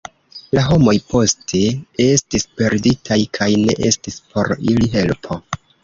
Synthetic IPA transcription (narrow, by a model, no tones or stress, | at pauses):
laɦo̞mo̞jpʰo̞stʰe̞e̞stispe̞ɾditʰajkʰajne̞̰ʔe̞stispʰo̞ɾiliɦe̞lpʰo̞